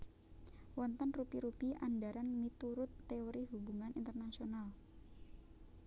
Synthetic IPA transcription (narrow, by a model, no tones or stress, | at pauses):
wɔnt̪ɔnrupiɾupiʔandaɾanmit̪uɾʊt̪ːeoɾiɦubuŋanint̪ərnasional